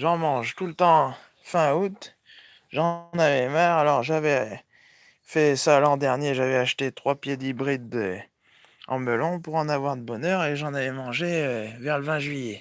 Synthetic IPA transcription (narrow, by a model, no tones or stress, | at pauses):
ʒɑ̃mɑ̃ʒt̪ulət̪ɑ̃ | fɛ̃ut̪ | ʒɑ̃navɛmaʁalɔʁʒavɛ | fɛsalɑ̃d̪ɛʁnjeʒavɛaʃt̪et̪χwapjed̪ibʁid̪ø | ɑ̰̃məlɔ̃puʁɑ̃navwaʁd̪əbɔnœʁeʒɑ̃navɛmɑ̃ʒeøvɛʁləvɛ̃ʒɥijɛ